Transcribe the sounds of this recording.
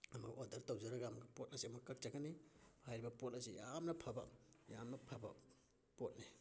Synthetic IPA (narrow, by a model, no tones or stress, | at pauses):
ɐmɐɡodɐɾtowzaɾaɡamɡɐpot̚ɐsiɐmɐkːɐk̚t͡ʃakɐnihajɾibɐpot̚ɐsijamnɐpʰɐbɐ̰jamnɐpʰɐbɐ | pot̚ni